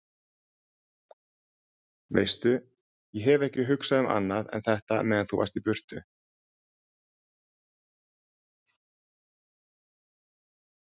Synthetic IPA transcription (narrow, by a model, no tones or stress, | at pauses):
vḛːjst̪ʏ | jɛɦɛvɛhcɪɦʏksaðʏmʔa̰nːaðɛ̰nθɛht̪amɛːðanθuva̰ɾst̪ipʏr̥t̪ʏ